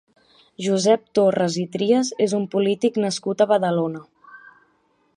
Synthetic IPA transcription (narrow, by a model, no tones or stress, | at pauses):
ʒuzɛp̚t̪orəzit̪ɾiəzezumpulit̪iknəskut̪əβəðəlonə